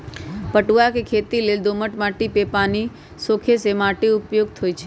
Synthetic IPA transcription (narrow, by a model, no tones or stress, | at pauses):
pəʈuʋakekʰet̪ileld̪oməʈmaʈipepani | sokʰesemaʈiʊpjoɡ̚t̪ʰojt͡ʃʰe